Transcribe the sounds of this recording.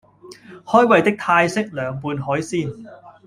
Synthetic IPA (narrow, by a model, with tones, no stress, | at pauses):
hɔː˥jwɐ˨˧jt̪ɪ˥k̚t̪ʰaː˧jsɪ˥k̚lœː˨˧ŋpuː˨˧nɦɔː˨˥jsiː˥˩n